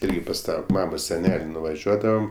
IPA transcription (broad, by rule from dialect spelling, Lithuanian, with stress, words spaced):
ˈɪrʲɡʲɪ pɐs ˈtɑː ˈmɑːmoːs sʲɛˈnʲɛlʲ nʊʋɐˈʒʲuɔdɐʋɐm